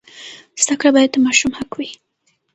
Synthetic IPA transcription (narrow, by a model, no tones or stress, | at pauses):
z̥d̪akɽabɑjad̪̚p̪əmɑʃumhakwi